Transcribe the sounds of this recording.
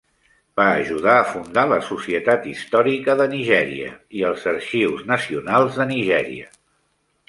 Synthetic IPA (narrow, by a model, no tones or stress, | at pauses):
b̥aːʒuðaəfund̪aləsusiət̪at̪ist̪ɔɾikəðəniʒɛɾḭə̰iəlˠzəɾʃiwznəsiunalˠzðəniʒɛɾḭə